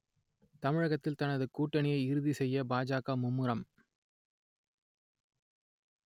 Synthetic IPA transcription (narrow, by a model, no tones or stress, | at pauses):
t̪ɐmɪɻɐɣɐt̪ːɪlt̪ɐnɐðɯkuːʈːɐnɪjɐɪɪɾɯðisɛjːɐbaːd͡ʒaːkamʊmːɯɾɐm